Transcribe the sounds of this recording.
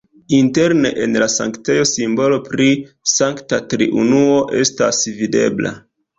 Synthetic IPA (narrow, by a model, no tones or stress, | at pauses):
inte̞ɾne̞ʔenlasaŋkt͡sejo̞simbo̞lo̞pɾi | saŋktatɾḭʔṵnuo̞ʔe̞sta̰svide̞̰bla̰